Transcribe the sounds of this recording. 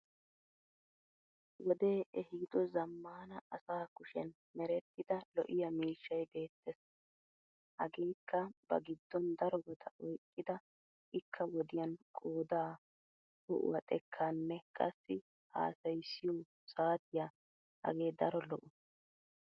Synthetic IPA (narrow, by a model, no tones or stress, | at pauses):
wɔd̪e̞ːʔɛhɪd̪ɔzɐmːaːnɐɐsaːkʊʃɛn | mɛɾɛt̪ːɪd̪ɐlɔʔɪjɐmiːʃːɐjbe̞ːt̪ːɛs | hɐɡe̞ːkʰːɐbɐ̰ɡɪd̪ːɔnd̪ɐɾɔɡɔt̪ʰɐʔɔjkʼːɪd̪ɐ | ʔɪkʰːɐwɔd̪ɪjɐnkʼoːd̪aː | hʊ̰ʔʊ̰wɐt̪ʼɛkʰːanːɛkʼɐsːɪ | a̰ːsɐjsːɪju | saːt̪ɪja | hɐ̰ɡe̞ːd̪ɐɾɔlɔʔʊ